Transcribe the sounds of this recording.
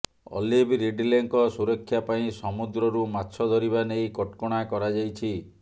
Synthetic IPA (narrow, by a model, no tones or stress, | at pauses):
ɔ̰libʱɾiɖileŋkɔsuɾɔkʰːjapaĩsɔmud̪ɾɔɾumatːʃʰɔd̪ʱɔɾiβanejkɔʈkɔɽ̃akɔɾad͡ʒajt͡ʃʰi